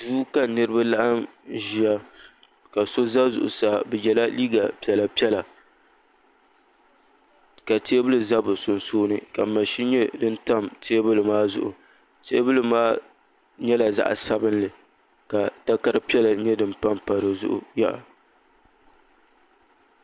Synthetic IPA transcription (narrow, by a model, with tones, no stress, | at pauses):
duː˦ka˨nɨ˦ɾɨ˦ba˦la˦ʔa˦mʒi˦a˦ | ka˨so˦za˦zʊ̰˨ʔʊ̰˨saː˨bɛ˨jɛ˨la˦liː˦ɡa˨pɛ˨la˨pi˦ɛ˦la˨ | ka˨teː˦bɨ˦lɨ˨za˦bɨ˨sʊ˨nsoː˦nɨ˨ka˨ma˨ʃi˦ɲɛ˦dɨ˦n˦ta˦mtʰeː˦bɨ˦lɨ˨maː˦zʊ̰˨ʔʊ̰˨ | teː˦bɨ˦lɨ˦maː˦ | ɲɛ˦la˨za̰˦˨ʔa̰˨sa˦bɨ˦nlɨ˨ | ka˨ta˦ka˦ɾɨ˦pi˦ɛ˦la˨ɲɛ˦dɨ˨mpa˦mpa˨ɾɨ˨zʊ̰˦ʔʊ̰˨ja̰˦ʔa̰˨